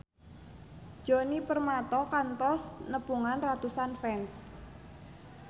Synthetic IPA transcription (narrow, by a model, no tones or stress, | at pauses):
d͡ʒ̥ɔnipərmat̪ɔkant̪ɔsnəpuŋanrat̪usanfɛns